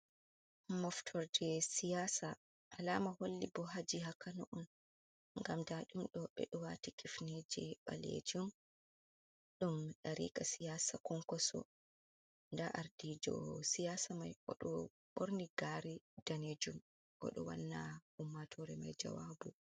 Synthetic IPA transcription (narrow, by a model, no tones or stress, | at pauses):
mɔftʰɔɾdɛsijaːsa | ʔalamaholːibɔɦad͡ʒiɦakanɔʔun | ŋɡamdaɗumɗɔɓɛ̰ɗɔwatikifned͡ʒɛɓalḛd͡ʒum | ɗumɗaɾḭːkasijaːsakɔŋkɔsɔ̰ | ndaʔaɾdiːd͡ʒɔ̰sijaːsamajʔɔɗɔ | ɓoɾniɡaɾidaned͡ʒum | ʔɔ̰ɗɔ̰wa̰nːa̰humːatʰɔɾɛmajd͡ʒa̰wabu